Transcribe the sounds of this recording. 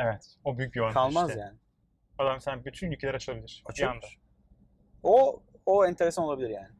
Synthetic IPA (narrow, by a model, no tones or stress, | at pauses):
evɛt̪obyjyc̚bivakʰalˠmazjaːnɪ | ad̪amsænbyt̪ʰynylʲcʰeæɾat͡ʃʰɯabilʲiɾ̥abiand̪a | ooɛnt̪ʰe̞ɾesanolˠabilʲiɾjaːnɪ